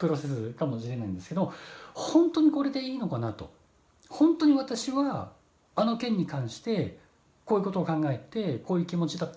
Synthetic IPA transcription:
pɯ̟ɾo̞se̞sɨkamo̞ɕiɾe̞naĩnd̪esɨ̥ke̞d̪omohõ̞nt̪o̞ɲ̟iko̞ɾe̞d̪e̞iːno̞kanat̪o̞̰ | hõ̞nt̪o̞ɲ̟iβat̪aɕiβaː | no̞kẽ̞ɲ̟ːikãɰ̃ɕi̥t̪e̞ | koːjiɯ̟ko̞t̪o̞ːkãŋɡae̞t̪e̞koːjɯ̟kʲimo̞t͡ɕid̪at̪ː

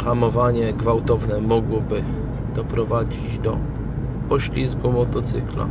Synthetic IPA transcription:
xamɔvaɲɛɡvawt̪ɔvnɛmɔɡwɔbɘ | d̪̥ɔpɾɔvad͡ʑid͡ʑd̪ɔ | pɔɕlʲizɡumɔt̪ɔt̪sɘ̰kla̰

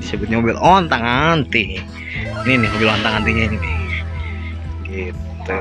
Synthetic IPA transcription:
disəbʊt̪ɲamobɪlɔnt̪aŋant̪i | ninɪhmobɪlɔnt̪aŋant̪iɲaininɪ | ɡit̪u

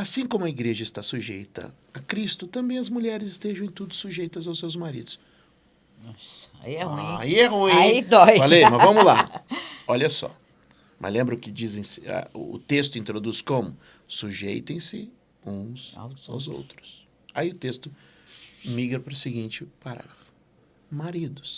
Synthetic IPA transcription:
asĩkõmʊɐiɡɾeʒɐɪst̪asuʒejt̪ɐ̰ | akɾist̪ʊt̪ɐ̃mbẽj̃ɐzmuʎɛɾɪzɪst̪eʒɐ̃ẽj̃t̪ud̪ʊsuʒejt̪ɐzawsewzmaɾid̪ʊs | nɔsaiɛuĩa̰iɛɦuĩid̪ɔjvalemɐzvɐ̃mʊla | oʎɐsɔ̰ | mɐ̰zlẽmbɾʊkɪd͡ʒizẽj̃sɪa̰ʊ̰ːt̪est̪ʊĩnt̪ɾod̪uskõmʊ | suʒḛjt̪ẽj̃sɪ | ũsa̰wzo̰wt̪ɾʊs | aiʊt̪est̪ʊ | miɡɾɐpɾʊsɪɡĩnt͡ʃɪpaɾa̰ | maɾid̪ʊs

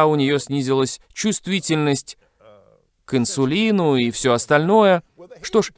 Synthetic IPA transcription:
ʊnʲɪjo̞sʲnʲizʲɪlˠəsʲ | t͡ɕʊst̪vʲitʲɪlʲnəsʲtʲ | kɨnsʊlʲinʊifsʲoɐst̪ɐlʲno̞jə | ʂt̪o̞ʂ

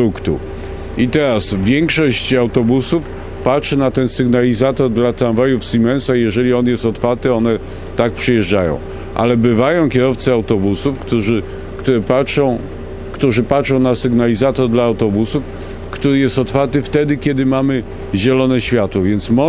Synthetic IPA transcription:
ukt̪ṵ | it̪ɛɾasvʲjɛŋkʂɔɕt͡ɕawt̪ɔbusuf | patʂɛnat̪ɛnsɘɡnalʲizat̪ɔɾd̪lat̪ɾanvajufsimɛ̃nsajɛʐɛlʲiɔnjɛst̪ɔt̪faɾt̪ɘɔnɛ | t̪ak̚pʂɛjɛʐd͡ʐajɔ̰̃w̃ | ʔa̰lɛbɘvajɔ̃w̃kʲɛɾɔft̪sɛawt̪ɔbusufkt̪uʐɘ | kt̪uɾɛpaʂɔ̃w̃ | kt̪uʐɘpatʂɔ̃w̃nasɘɡnalʲizat̪ɔɾd̪laːwt̪ɔbusuf | kt̪uɾɘjɛst̪ɔt̪faɾt̪ɘft̪ɛd̪ɘkʲɛd̪ɘmamɘ | ʑɛlɔnɛɕfʲjat̪wɔvʲjɛnt̪smɔ

